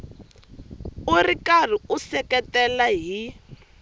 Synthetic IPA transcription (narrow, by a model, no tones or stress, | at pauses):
urikar̤iusɛkɛtɛlaɦi